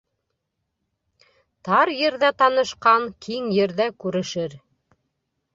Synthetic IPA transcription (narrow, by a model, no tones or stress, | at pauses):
t̪ɑɾjɘ̆ɾðæt̪ɑnɤ̆ʃqɑŋkʰiŋjɘ̆ɾðækʉɾɘ̆ʃɘɾ